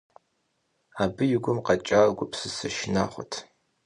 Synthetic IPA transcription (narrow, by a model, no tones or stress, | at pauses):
aːbɨjɪɡʷʊmqɐt͡ʃʼaːɡʷʊpsɨsɐʃɪna̰ːχʷɔ̰tʰ